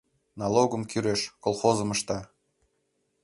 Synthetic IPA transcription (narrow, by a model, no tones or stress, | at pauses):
nɑlˠoɣə̆mkyɾeʃkolˠxozə̆məʃt̪ɑ